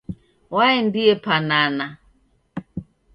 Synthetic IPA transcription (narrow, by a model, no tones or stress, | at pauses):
waɛndiɛpanana